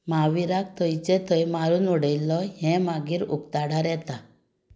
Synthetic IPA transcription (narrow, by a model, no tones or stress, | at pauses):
maʋiɾak̚t̪ʰɔjt͡ʃɛt̪ʰəjmaɾunuɽəjlɔɦɛ̃maɡiɾṵkt̪aɽaɾɛt̪a